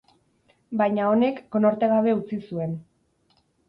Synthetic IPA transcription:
bajɲao̞ne̞kːo̞noɾt̪eɣaβ̞e̞ut͡sisue̞n

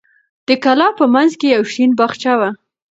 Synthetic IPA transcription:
d̪̥əkalɑpəmanzkejawʃinbaxt͡ʃawa

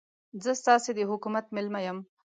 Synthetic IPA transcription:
zəst̪ɑsed̪əɦʊkumat̪mɪlmajəm

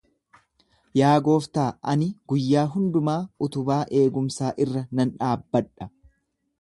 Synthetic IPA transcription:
jaːɡo̞ːft̪aːʔɐnɪɡ̥ʊjːaːɦʊnd̪ʊmaːʊt̪ʊbaːʔe̞ːɡʊmsaːʔɪrːɐnɐnᶑaːbːɐᶑɐ̥

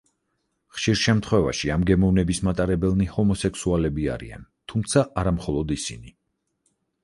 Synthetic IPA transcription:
χʃiɾʃɛmt̪ʰχwɛva̰ʃiamɡɛmɔvnɛbismat̪ʼaɾɛbɛlˠnihɔmɔsɛksualɛbia̰ɾḭa̰nt̪ʰumt̪sʰaʔaɾamχɔlˠɔd̪isini

